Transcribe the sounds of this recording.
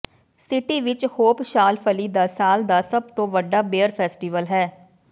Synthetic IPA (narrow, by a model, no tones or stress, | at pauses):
sɪʈiːʋɪt͡ʃhoːpʃaːlpʰəliːd̪aːsaːld̪aːsəb̚t̪õːʋəɖːaːbeːəɾpʰɛːsʈiːʋəlɦɛː